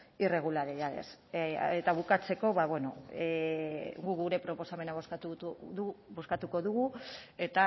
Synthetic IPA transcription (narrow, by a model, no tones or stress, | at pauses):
ire̞ɣ̞ulaɾejaðe̞̰set̪aβukat͡se̞ko̞βaβweno̞e | ɡuɣuɾe̞pɾo̞po̞same̞naβoskt̪u | bo̞skat̪uko̞ðuɣue̞t̪a